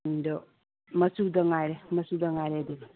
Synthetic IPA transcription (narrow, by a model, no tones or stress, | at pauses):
ndɔ | mɐsudɐŋajɾemɐsudɐŋajɾediɡ